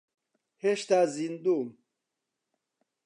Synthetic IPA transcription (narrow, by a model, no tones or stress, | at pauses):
heɕt̪aːzind̪um